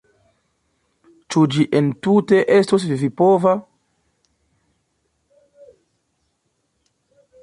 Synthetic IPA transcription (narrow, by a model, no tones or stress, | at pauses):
t͡ʃud͡ʒiʔentuteʔestos̬vivipova